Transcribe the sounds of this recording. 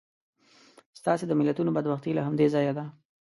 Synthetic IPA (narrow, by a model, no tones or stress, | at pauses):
st̪ɑsed̪əmɪlat̪unobad̪baxt̪ilaɦamd̪ezɑjad̪a